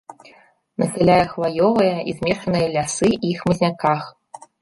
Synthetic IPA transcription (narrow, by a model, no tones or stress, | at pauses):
nɐsʲɛlʲajɐxvajɔvɐjɐizʲmʲɛʂɐnɨjɐlʲasɨixmɐzʲnʲakax